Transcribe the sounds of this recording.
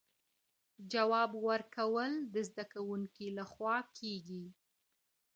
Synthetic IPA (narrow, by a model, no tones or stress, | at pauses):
d͡ʒawɑbwəɾkawəld̪əzd̪akawuŋkilaxwɑkʰeɡi